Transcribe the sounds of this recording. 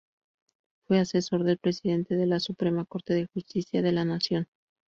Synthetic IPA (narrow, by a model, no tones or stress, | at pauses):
fwe̞ase̞so̞ɾðe̞lpɾe̞siðe̞nt̪e̞ðe̞lasupɾe̞mako̞ɾt̪e̞ðe̞xust̪isjaðe̞lanasjo̞n